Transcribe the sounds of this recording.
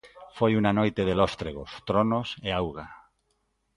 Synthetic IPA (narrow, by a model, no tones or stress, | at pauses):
fojunanojt̪eð̞elost̪ɾeɣost̪ɾonoseawɣa